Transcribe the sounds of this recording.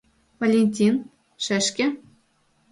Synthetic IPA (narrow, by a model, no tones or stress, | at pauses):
volʲenʲtʲin | ʂɘ̆ʂkʲɘ̆